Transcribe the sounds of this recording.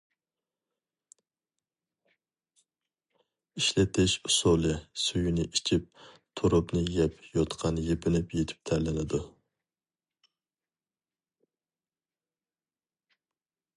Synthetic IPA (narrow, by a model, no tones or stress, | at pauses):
iʃlɪt̪ʰɪʃusolˠɪsujunɪʔit͡ʃʰip̚t̪ʰuɾʊpnɨjɛpʰjot̪qʰɑnjepʰɪnɪpjet̪ʰɪ̥p̚t̪ʰæɾlɪnɪd̪u